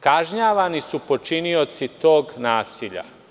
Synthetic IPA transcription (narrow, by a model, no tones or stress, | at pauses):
kaʒɲaːʋanisupo̞t͡ʃinio̞t̪sit̪o̞ːɡnaːsiʎa̰